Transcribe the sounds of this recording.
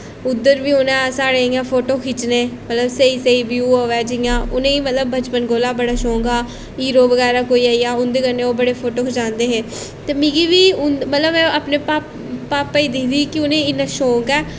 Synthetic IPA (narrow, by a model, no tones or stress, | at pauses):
ʊd̪ːəɾʋiːʊnãːsaːɽeːijãːpʰoːʈoːkʰɪt͡ʃneːmət̪ləbsəiːsəiːbjuːoʋɛːd͡ʒɪjãːʔʊnẽːiːmət̪ləbːət͡ʃpənɡoːlaːbəɽaːʃõːŋɡaː | iːɾoːʋəɡɛːɾaːkoːiːaːiːaːʊnd̪eːkəɾneːoːbəɽeːpʰoːʈoːkʰəd͡ʒãːnd̪eːɦeː | t̪eːmĩːɡiːʋiːʊnmət̪ləbmɛ̃ːapneːpaːp | paːpːəiːd̪iːd̪iːkɪʊnẽːɪnãːʃõːŋɡɛː